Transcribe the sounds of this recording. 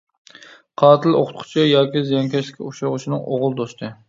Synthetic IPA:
qʰɑːt̪ʰɨlo̰qʰʊ̥t̪qʰʊ̥t͡ʃʰɪjɑːkʲizijɑŋkʲʰɛʃlɪ̥kʲʰːuʃɑʁʊʃɪnɨŋoʁʊlˠd̪ost̪ʰɨ

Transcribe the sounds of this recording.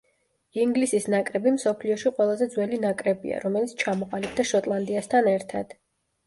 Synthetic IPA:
iŋɡlisisnakʼɾɛbimsɔpʰliɔʃiqʼwɛlˠazɛd̪zwɛlinakʼɾɛbḭa̰ɾɔmɛlitsʰt͡ʃʰamɔqʼalib̚d̪aʃɔt̪ʼlˠand̪iast̪ʰanɛɾt̪ʰa̰d̪̥

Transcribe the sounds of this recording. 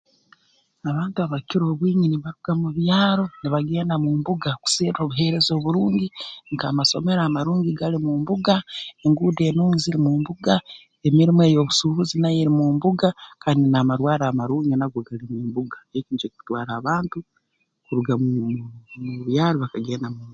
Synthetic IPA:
aβaːntuaβaciɾo̞ːβwiːɲiniβaɾuɡ̥amuβjaːɾo̞niβaɡe̞ːndamumbuɡaku̥seːɾo̞ːβuɦe̞ɾe̞zo̞ːβuɾuːɲɟiŋkaːmaso̞me̞ɾaːmaɾuːɲɟiɡalimuːmbuɡae̞ŋɡuːde̞ːnuːŋiziɾimuːmbuɡa | e̞miɾimwe̞ːjo̞ːβusuβuzinajeɾimumbuɡakʰaːndinamaɾwaːɾaːmaɾuːŋɡinaɡwoɡalimuːmbuɡaeciːd͡ʒekiu̥twaːɾaːβaːntu | kuɾuɡau | uβjaːɾoβakaɡe̞ːndamuːm

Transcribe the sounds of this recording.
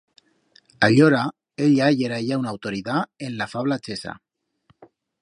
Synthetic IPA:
aʎoɾa | eʎajeɾajawnawt̪o̞ɾiðaenlafaβlat͡sesa̰

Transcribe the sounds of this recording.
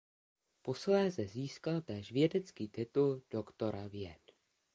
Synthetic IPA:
po̞slɛːzɛziːskalt̪ɛːʃvjɛdɛt͡skiːt̪ɪt̪uld̥o̞kt̪o̞ɾavjɛt̪

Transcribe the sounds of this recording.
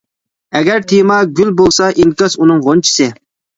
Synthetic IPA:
ɛɡʲɛɾt̪ʰijmɑɡʲylbolˠsɑʔinkɑzunɨŋʁont͡ʃʰi̥sɪ

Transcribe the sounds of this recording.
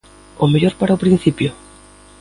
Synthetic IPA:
omeʎoɾpaɾaopɾĩn̟θipjo

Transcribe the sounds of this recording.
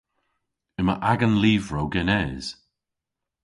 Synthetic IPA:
ɪmə̰ʔaɡənliːvɹowɡɛnɛːz̥

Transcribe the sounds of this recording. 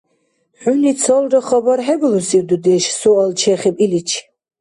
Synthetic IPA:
ħunisʰɔlˠɾɔχɔbɔɾɦɛblusiwd̪ud̪iʃsualt͡ʃʰɛχibʼilit͡ʃʰ

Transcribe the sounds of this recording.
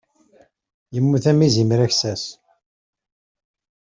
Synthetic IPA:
jəmːuθæmizimɾæçsæs

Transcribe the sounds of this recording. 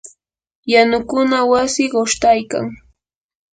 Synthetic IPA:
janʊkʊnawasɪɢoʃt̪ajka̰ŋ

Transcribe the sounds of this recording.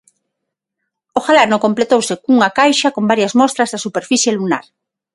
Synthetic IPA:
oxalanõŋkomplet̪owsekuŋakajʃɐkombaɾjɐzmɔst̪ɾɐzðɐsupeɾfiθjeluna̰ɾ

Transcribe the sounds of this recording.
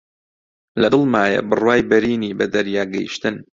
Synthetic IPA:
lɐd̪ɨlˠmaːjɐ̰bɨrwaːjbɐɾiːniːbɐd̪ɐɾjaːɡɐjḭʃt̪ɨn

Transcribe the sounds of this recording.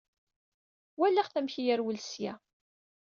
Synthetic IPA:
wælːæʁθæmçijæɾwəlsjæ̰

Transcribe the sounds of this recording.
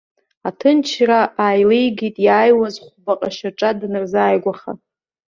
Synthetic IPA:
atʰɨnt͡ʃʰraʔaːjlejɡitʼjaːjwazχʷbaqʼaʃaʈ͡ʂʼadnɨrzaːjɡʷaχa̰

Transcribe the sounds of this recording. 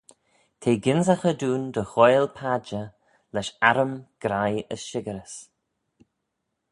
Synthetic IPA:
t̪ʰeːɡɪnzaxəd̪uːnd̪əxojlpʰad͡ʒə | lɛʃaɾəmɡ̥ɾajəsʃɪɡəɾəs

